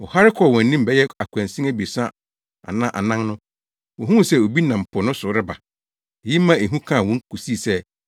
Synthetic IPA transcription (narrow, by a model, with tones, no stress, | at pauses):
ɔ˨ha˦ɾɪ˦kʰɔ˦˨wɔ̃˨n̩˦nĩ˦m̩˦bɛ˦jɛ˦a˨kʰʷæ̃˨n˨sĩ˦æ˦bi˨sã˦ | a̰˨nã˦ʔa̰˨nã˦ŋnʊ̃˦ | wɔ̃˨ɦũ˦˨sɛ˦o˨bi˦nã˨m̩˨pʰʊ˨nʊ̃˦sʊ˨˦ɾɪ˦ba˨ | e˨ji˦mːã˦e˨ɦũ˦kʰã˦˨wɔ̃˨ŋ˦kʰu˨si˦˨sɛ˦